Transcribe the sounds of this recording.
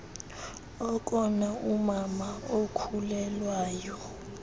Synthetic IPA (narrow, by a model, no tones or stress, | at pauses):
ɔkʼɔnaumamaokʰulɛlwaːjɔ